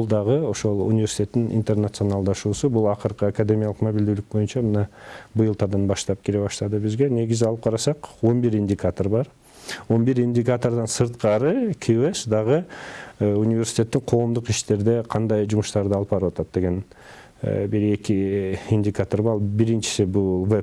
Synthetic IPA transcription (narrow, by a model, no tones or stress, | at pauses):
bʊlˠd̪ɑʁəo̞ʃo̞lˠṵnʲɪvʲe̞rsʲi̥t̪ʲe̞t̪ːɪnʔḭnt̪e̞rnat̪sɨo̞nalˠd̪ɑʃuːsubulˠɑqəɾqəakad̪ʲe̞mʲijalˠəqmobild̪ylyk̚bo̞jynt͡ʃɑmənɑbɯjɨlˠt̪ɑd̪ɑnbɑʃt̪ɑp̚kʲʰeɾe̞βɑʃt̪ɑd̪ɯbizɡʲe̞ne̞ɡʲɪzɪɑlˠɯp̚qʰɑɾɑsɑqo̞nbiɾindʲɪkat̪o̞rbɑɾ | o̞nbiɾinʲdʲɪkat̪o̞rd̪ɑnsɯɾt̪qɑɾɯkʲʰiesd̪ɑʁə | unʲivʲe̞ɾsʲi̥t̪ʲe̞t̪ːɪŋqʰo̞ːmd̪uqiʃt̪e̞ɾd̪e̞qʰɑnd̪ɑjd͡ʒumʊʃt̪ɑɾd̪əɑlˠpɑɾwɑt̪ɑt̪̚d̪e̞ɡʲe̞n̰ | biɾe̞kʲiinʲdʲikat̪orbɑɑlˠbiɾint͡ʃɪ̥sɪbulˠvep